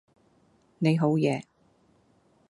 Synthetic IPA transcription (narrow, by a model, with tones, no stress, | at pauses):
ne˨˧jɦo˨˥wjɛː˨˧